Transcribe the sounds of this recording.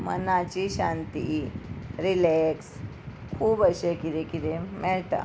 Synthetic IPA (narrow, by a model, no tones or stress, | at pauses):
mə̰nat͡ɕiɕant̪i | ɾileks | kʰuːbəɕekiɾekiɾemɛɭʈ̪a̰